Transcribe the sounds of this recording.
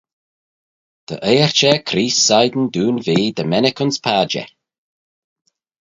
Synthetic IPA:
d̪̥ə̰ʔejəɹt͡ʃɛkʰɾiːsːajd̪n̩d̪uːnviːd̪əmɛnɪkənspʰaːd͡ʒɛ̰

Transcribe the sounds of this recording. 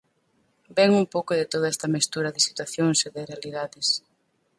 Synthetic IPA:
bɛŋumpowkoðɪt̪oð̞aɛst̪ɐmist̪uɾɐðɪsi̥t̪waθjoŋseðɪrealiðaðɪs

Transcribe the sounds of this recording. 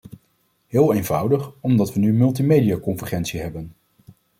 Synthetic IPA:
ɦɪːlˠejnvʌwdəχɔmdɑtʋənymɵlˠt̬imejdijakɔnvəχɛntsiɦɛbən

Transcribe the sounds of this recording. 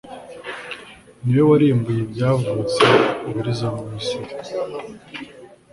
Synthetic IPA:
niwo̞waɾiːmbujebɟaːvut͡se̞uβiɾizamuisiɾ

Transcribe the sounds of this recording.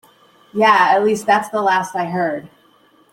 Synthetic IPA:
jæɨtˡlist̪̚ðætsðəlæstaɪɦɜ˞d̥̚

